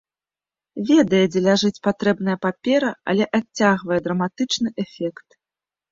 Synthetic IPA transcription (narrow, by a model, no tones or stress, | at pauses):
vʲɛd̪ɐjɛd͡zʲɛlʲaʐɨt͡sʲpat̪ɾɛbnɐjɐpapʲɛɾɐɐ̰lʲɛʔat͡sʲt͡sʲːaɣvɐjɛd̪ɾɐmat̪ɨt͡ʂnɨʔɛfʲɛkt̪